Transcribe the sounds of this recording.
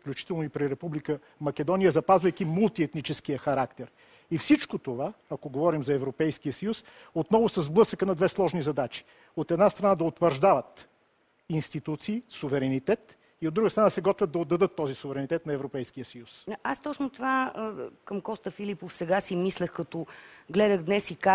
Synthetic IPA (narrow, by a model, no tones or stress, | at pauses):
fklʲut͡ʃi̥t̪ɛlˠnoipɾiɾɛpublikə | mɐkɛd̪ɔnijəzɐpazvəjk̟imulˠt̪iɛt̪nit͡ʃɛskijəxɐɾakt̪ɛɾ | ifsit͡ʃkot̪ovaɐkoɡovɔɾimzɐɛvɾopɛjskijəsɐjus | ot̪nɔvʊsɐzblˠɤsəkənɐd̪vɛslˠɔʒnizɐd̪at͡ʃi̥ | ot̪ɛd̪nast̪ɾɐnad̪ɐot̪vəɾʒd̪avət̪ | inst̪it̪ut̪siːsuvɛɾɛnit̪ɛt̪ | iod̪ːɾuɡəst̪ɾɐnasɛɡɔt̪vəd̪̚ːɐod̪ːɐd̪ɤt̪ːɔzisuvɛɾɛnit̪ɛt̪nɐɛvɾopɛjskijəsɐjusast̪ɔt͡ʃnot̪ovakɐmkɔst̪əfilipofsɛɡasimislɛxkɐt̪ɔɡlɛd̪əɣd̪nɛsika